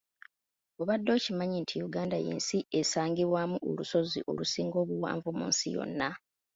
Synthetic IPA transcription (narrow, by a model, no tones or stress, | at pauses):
o̞βadːo̞ːcimaɲintʰijuɡaːndajḛːnsie̞saːŋɡiβwamuʔo̰luso̞zḭʔo̞̰lusiːŋɡo̞ːβuwa̰ːɱvumṵːnsijo̞̰nːa